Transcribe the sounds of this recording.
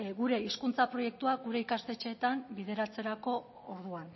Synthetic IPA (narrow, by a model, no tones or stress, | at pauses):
ɣuɾe̞iskunt͡sapɾo̞je̞k̚t̪uaɡuɾe̞ikast̪e̞t͡ʃe̞ːt̪ambiðe̞ɾat͡se̞ɾako̞ | oɾð̞uan